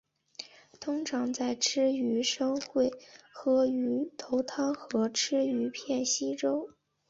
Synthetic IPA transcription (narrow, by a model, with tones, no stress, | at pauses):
t̪ʰʊ˥ŋʈ͡ʂʰɑ˧˥ŋt͡sa˥˩ɪʈ͡ʂʰɻ̩˥y˧˥ʂɤ˥ŋxwe˥˩ɪxɤ˧˥y˧˥t̪ʰo˧˥ʊt̪ʰɑ˥ŋxɤ˧˥ʈ͡ʂʰɻ̩˥y˧˥pʰjɛ˥˩nɕi˥ʈ͡ʂo˥ʊ